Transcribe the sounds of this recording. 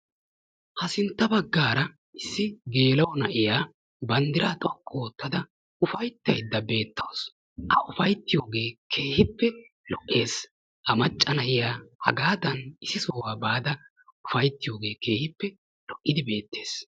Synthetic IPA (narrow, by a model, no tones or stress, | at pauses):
hɐsɪnt̪ːɐbɐɡːaːɾɐ | ɪsːɪɡe̞ːlɐwnɐʔɪjaː | bɐnd̪ɪɾaːt̪ʼɔkʼːoːt̪ːɐd̪ɐ | ʊfɐjt̪ːɐjd̪ːɐbe̞ːt̪ːɐws | ʔɐʔʊfɐjt̪ːɪjo̞ːɡe̞ːkʰe̞ːhɪpːɛ | lɔʔːe̞ːs | ʔɐmɐt͡ʃʼːɐnɐʔɪjaːhɐ̰ɡaːd̪ɐnɪsɪsoːwaːbaːd̪ɐ | ʊfɐjt̪ːɪjo̞ːɡe̞ːke̞ːhɪpːɛ | lɔʔːɪd̪ɪbe̞ːt̪ːe̞̥ːs